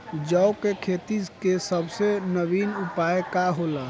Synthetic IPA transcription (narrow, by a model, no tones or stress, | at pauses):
d͡ʒəwkekʰet̪ikesəbʱsenəbinupaekaɦola